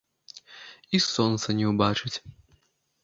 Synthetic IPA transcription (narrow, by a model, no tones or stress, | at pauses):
isɔnt̪sɐnʲɛwbat͡ʂɨt͡sʲ